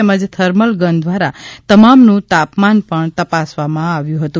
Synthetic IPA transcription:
eməd͡ʒt̪ʰəɾməlɡənd̪ʱʋaɾat̪əmamnũt̪apmanpəɳt̪əpasʋamãaʋjũɦət̪ũ

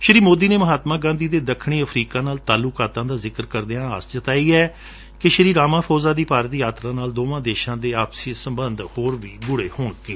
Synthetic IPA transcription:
ʃəɾiːmoːd̪iːneːməɦaːt̪maːɡãːnd̪iːd̪eːd̪əkʰɽ̃iːəpʰɾiːkaːnaːlt̪aːlʊːkaːt̪ãːd̪aːzɪkəɾkəɾd̪eãːaːst͡ʃət̪aːiːɛː | kɪʃəɾiːɾaːmãːpʰoːzaːd̪iːpaːɾət̪jaːt̪ɾãːnaːld̪oːʋãːd̪eːʃãːd̪eːaːpsiːsəmbənd̪hoːɾʋiːbʊɽeːhoːɳkeː

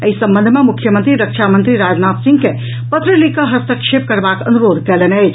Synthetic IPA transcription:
əisə̃mbənd̪ʱmẽmukʰjəmənt̪ɾiɾəkʃamə̃nt̪ɾiɾaːd͡ʒnaːt̪sĩŋɡke | pət̪ɾəlikəɦɐst̪əkʂep̚kəɾbakə̰nuɾoːd̪ʱkɛlenɛj

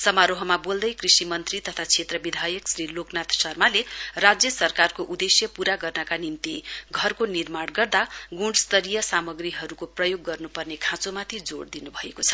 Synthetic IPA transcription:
sʌmaɾoɦʌmabold̪ʌjkrisimʌnt̪rit̪ʌt̪ʰat͡sʰet̪rʌbid̪ʱajʌksɾiloknat̪sʌrmalerad͡zjʌsʌrkarkoʔud̪esjʌpuɾaɡʌrnʌkanimt̪iɡʱʌrkonirmaɽɡʌrd̪aɡuɖst̪ʌɾijʌsamʌɡriɦʌɾukoprʌjoɡːʌrnupʌrnekʰãt͡somat̪ʰid͡zoɽd̪inubʱʌekot͡sʰʌ̥

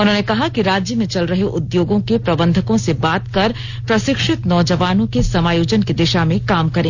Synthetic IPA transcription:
ʊnɦõːnekɐɦakiɾaːd͡ʒjəmẽt͡ʃɐlɾɐɦeʔʊd̪joːɡõkepɾɐbə̃nd̪ʱəkõsebaːt̪kɐɾ | pɾɐʃɪkʃɪt̪nɔːd͡ʒɐʋaːnõkesɐmaːjoːd͡ʒənked̪ɪʃamẽkaːmkɐɾẽː

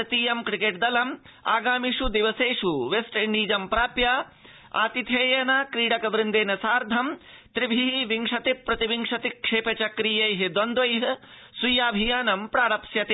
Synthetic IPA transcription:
ɐt̪iːjɐmkɾikeːʈ̚d̪ɐlɐm | a̰ːɡaːmiʂud̪iʋɐseːʂuʋesʈiɳɖiːd͡ʒɐmpɾaːpjaː | a̰ːt̪it̪ʰeːjɐnɐkɾiːɽɐkɐʋɾɪnd̪eːnɐsaːɾd̪ʱɐm | t̪ɾibʱiɦiʋiŋʂɐt̪ipːɾɐt̪iʋiŋʂɐt̪ikʂeːpɐt͡ʃɐkɾijɐjɦid̪ond̪ʋɐjɦɐ̆ | sujaːbʱijaːnɐmpɾaːɽɐpsjɐt̪e

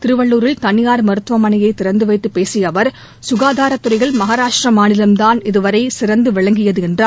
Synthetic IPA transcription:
t̪ɪɾɯʋɐɭːuːɾɪlt̪ɐnɪjaːɾmɐɾɯt̪ʋɐmɐnɐjɐɪt̪ːɪɾɐnd̪ɯʋɐɪt̪ːɯpːeːsɪjɐʋɐɾ | sʊɣaːðaːɾɐt̪ːɯɾɐɪɣɐɭmɐɣaːɾaːʂʈrɐmaːnɪlɐmd̪aːnɪðɯʋɐɾɐɪsɪɾɐnd̪ɯʋɪɭɐŋɡɪjɐðɯɛndraː

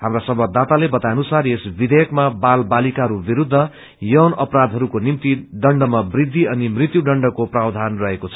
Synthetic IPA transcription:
hamrasʌmbʌd̪at̪alebʌt̪ajnusaresbid̪ʱejʌkmabalbalikaɦʌɾubiɾud̪ʱːʌ | jʌwnʌpɾad̪ʱɦʌɾukonimt̪iɖʌɳɖʌmabrid̪ʱːiʌnimrit̪juɖʌɳɖʌkoprabd̪ʱanrʌɦekot͡sʰʌ̥

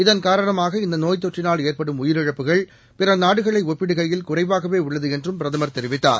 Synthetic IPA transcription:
ɪðɐnkaːɾɐɳɐmaːɣɐɪnd̪ɐnoːjt̪̬ːɔʈrɪnaːleːrpɐɽɯmʊjɪɾɪɻɐpːɯɣɐɭ | pɪɾɐnaːɽɯɣɐɭɐɪɔpːɪɽɯɣɐjɪlkʊrɐɪʋaːɣɐʋeːʊɭːɐðɯɛndrɯmpɪɾɐðɐmɐɾt̪ɛɾɪʋɪt̪ːa̰ːɾ

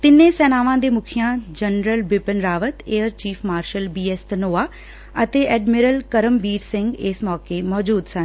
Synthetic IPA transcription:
t̪ɪnẽsɛːnaːʋãːd̪emʊkʰijãd͡ʑɐnɾəlbɪpənɾaːʋət̪eːəɾt͡ɕiːfmaːɾʃəlbiːest̪noːa | ɐt̪eːʔɛːɖmɪɾəlkɐɾəmbiːɾsɪ̃ŋɡeːsmɔːkemɔːd͡ʑuːd̪sã

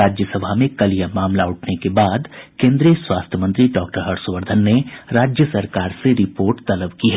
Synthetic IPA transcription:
aːd͡ʒjəsəbʱamẽkɐlijamaːmlaʊʈʰnekebaːd̪kẽːnd̪ɾiəswaːst̪ʰəmə̃nt̪ɾiɖɔːk̚ʈəɾɦɐʈsʋəɾd̪ʱənːeɾaːd͡ʒjəsɐɾkaːɾseɾɪpoːɾʈt̪ɐləbkiɦɛː

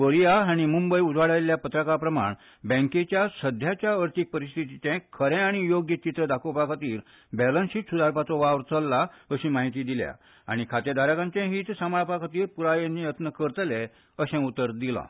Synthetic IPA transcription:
bəɾijaaɽ̃imumbəjud͡zʱʋaɭaljapət̪ɾəkapɾəma̰ɳ | bɛ̃ŋket͡ɕjasəd̪ʱjat͡ɕjaəɾt̪ik̚pəɾist̪ʰit̪it͡ɕɛ̃kʰəɾɛ̃aɽ̃ijoɡjət͡ɕit̪ɾəd̪akʰopakʰat̪iːɾ | bɛlənsiːʈ̪sud̪aɾpat͡sɔʋaʋɾt͡səlːaəɕĩːmaɦit̪iːd̪ilja̰ | a̰ɽ̃ikʰat̪ed̪aɾakãɲt͡ɕɛ̃ɦiːt̪samaɭpakʰat̪iːɾpuɾajenijət̪nəkəɾt̪lɛ | əsɛ̃ut̪ːəɾd̪ilã̰

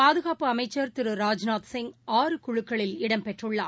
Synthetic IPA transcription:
paːðɯɣaːpɯɐmɐɪt͡ʃːɐɾt̪ɪɾɯɾaːd͡ʒnaːt̪sɪŋɡaːɾɯkʊɻɯkːɐɭɪlɪɽɐmpɛʈrɯɭːaːɾ

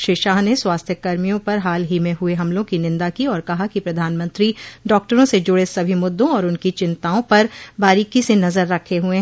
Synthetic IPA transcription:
ʃeːʃaːɦneswaːst̪ʰjəkɐɾmijõpɐɾɦaːlɦimẽɦueɦɐmlõkinɪ̃nd̪akiɔːɾkɐɦakipɾɐd̪ʱaːnmə̃nt̪ɾiɖɔːk̚ʈəɾõsed͡ʒʊɽesɐbʱimʊd̪ːõɔːɾʊnkit͡ʃɪ̃nt̪aːõpɐɾbaːɾiːkisenɐzəɾːɐkʰeɦuẽ

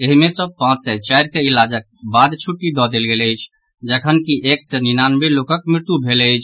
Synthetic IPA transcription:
eɦmesə̃pãt͡ʃsɛt͡ʃajɾkeilad͡ʒək̚bad̪t͡ʃʰuʈːid̪ɔd̪elɡeləjt͡ʃʰ | d͡ʒəkʰənkiʔeksəninanbelokəkmɾɪɾt̪jubʱeləjt͡ʃʰ

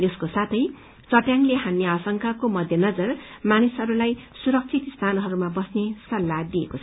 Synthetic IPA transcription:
eskosat̪ʰʌj | t͡sʌʈjaŋleɦanːjʌasʌŋkakomʌd̪ʱjʌnʌd͡zʌrmanisɦʌɾulajsuɾʌk̚t͡sʰit̪st̪ʰanɦʌɾumabʌsnesʌlːad̪iekot͡sʰʌ

